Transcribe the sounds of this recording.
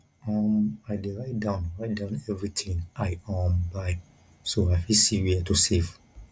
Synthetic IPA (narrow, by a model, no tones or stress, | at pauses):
ɔ̃maɪdeɹaɪt̚dãʊ̃nɹaɪt̚dãʊ̃nɛvɹitʰĩŋaɪɔ̃mbaj | soajfisiwiatusev